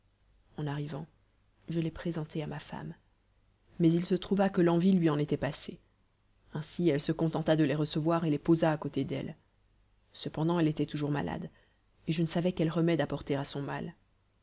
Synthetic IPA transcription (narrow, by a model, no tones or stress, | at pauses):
ɑ̃naʁivɑ̃ | ʒəlɛpχezɑ̃t̪ʰeamafa̰mː | ɛzilsət̪χuvakəlɑ̃vilɥiɑ̃net̪ɛpase | ɛ̃siɛlsəkɔ̃t̪ɑ̃t̪ad̪əleʁəsəvwaʁelepozaːkot̪ed̪ɛ̰l | səpɑ̃d̪ɑ̃ɛlet̪ɛt̪uʒuʁma̰lʔa̰d̪ | eʒənəsavɛkɛlʁəmɛd̪apɔʁt̪eʁasɔ̃mal